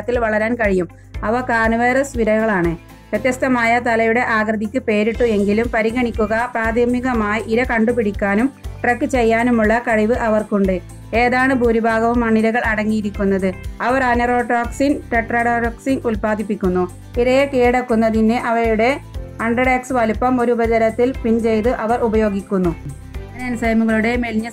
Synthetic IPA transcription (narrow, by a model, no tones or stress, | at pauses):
ɐt̪ːilʋɐɭɐɾaːnkɐɻijum | ɐʋɐkaːnɐʋeːrɐsʋiɾɐɣɐɭaːɳɨ | pɾɐt̪jɐst̪ɐmaːjɐt̪ɐlɐjuɽe̞ʔaːɡrɐðikʲːɨpe̞ːɾiʈːue̞ŋɡilumpɐɾiɣɐɳikʲːuɣɐpraːd̪ʱɐmiɣɐmaːjiʔiɾɐkɐɳɖupiɽikʲːaːnumʈrɐkːɨt͡ɕe̞jːaːnumuɭːɐkɐɻiʋɨʔɐʋɐrkuɳɖɨ | e̞ːðaːɳɨbʱuːɾubʱaːɡɐʋumɐɳilɐɣɐɭɐɽɐŋːijiɾikʲːunːɐðɨɐʋɐrɐnɐro̞ːʈoːksinʈeʈrɐɽoːʈɐksiŋulpaːd̪ʱipːikʲːunːu | iɾɐjɐkeːɽɐkːunːɐðinːɨʔɐʋɐɾuɽe̞ɐɳɖɐɽeksɨʋɐlpːɐmo̞ɾubɐd͡ʑɐɾɐt̪ːilpint͡ɕe̞jt̪ɨʔɐʋɐrubɐjo̞ːɡikʲːunːu | ɐnɐnsɐjɐmuɣɐɭuɽe̞melɲːɐ